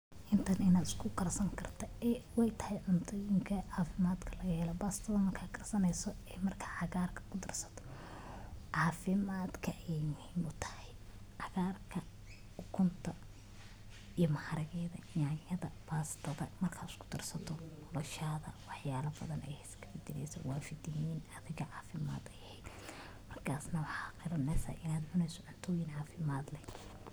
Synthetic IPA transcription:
ʔɪnt̪ʰɐnɪnaːd̪ɪ̥skʰʊɡɐrsɐŋkʰɐrt̪ʰɐɛwɛjt̪ʰɐ̥hɛjʕʊnt̪ʰʊjɪŋkʰɐʕɑːfɪmaːd̪kʰɐlɐɣɐhɛːlɔbaːst̪ʰɐðɐmɐrkʰaːkʰɐrsɐnɛjsɔɛmɐrkʰḁʕɑɣaːrkʰɐ̥kʰʊd̪ɐrsɐ̥t̪ʰɔ̥ | ʕɑːfɪmaːd̪kʰɐʔjɛjmʊhimʊt̪ʰɐ̥hɛj | ʕɑɣaːrkʰɐ | ʊkʰʊnt̪ʰɐ | ijɔmɐhɐɾɐɣɛːðɐ̰jaːjɐðɐbaːst̪ʰɐðɐmɐrkʰaːskʰʊ̥d̪ɐrsɐt̪ʰɔnɔlɔʃaːðɐ̰wɑħjaːlɐbɐðɐnɛ̰jhɛskʰɐbɪd̪ɪlɛ̰jsɐ̰waːfɪd̪ɪjiːnɐðɪɣɐʕɑːfɪma̰ːd̪ɛjɛhɛjd̪ | mɐrkʰaːsnɐwɑħɑːqɪɾɐnɛsɐ̰ʔɪnaːd̪ʕʊnɛjsɔʕʊnt̪ʰɔːjɪnʕɑːfɪmaːd̪lɛ

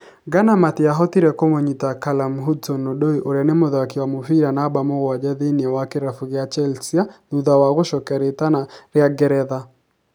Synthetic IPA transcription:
ɡanamatɪaɦɔt̪iɾɛkomoɲitakalamɦudsonːodoiʔoɾjanɪmʊðakɪwamʊfiɾanabamoɣwad͡ʒaðiniawakɪɾafuɣɪat͡ʃɛlsiaðuðawaɣoʃɔkɛɾɪtanaɾjaɡɛɾɛða

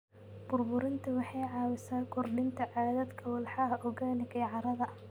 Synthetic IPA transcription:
bʊrbʊɾɪnt̪ʰɐwɑħɑjʕɑːwɪsaːkʰɔrɖɪnt̪ʰɐʕɑːðɐd̪kʰɐwɑlħɑɦɐʔɔɣaːlɪkʰɐjʕɑɾɐðɐ

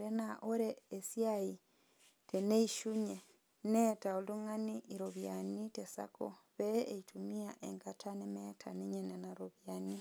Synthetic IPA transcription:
ɾenaʔoɾeesjai | tʰeneiʃuɲe | netaoluŋaniʔiɾoβjanitesa̰ko̰βeeitʰumiaʔeŋkatʰanemetʰaneɲenenaɾoβjani

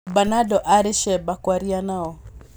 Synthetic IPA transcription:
banadɔʔaɾɪʃɛbakwaɾianaɔ

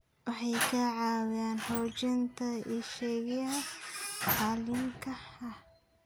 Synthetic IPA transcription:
wɑħɑjkʰɐʕaːwaːnhɔːt͡ʃɐnt̪ʰɐɪʃɛɡjɐɦɐħaːlɪmkʰɐhɐ

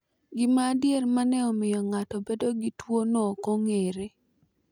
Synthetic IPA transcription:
ɡɪmaːdjermanɛɔmɪjɔŋatɔbedoɡitwonɔkoŋeɾe

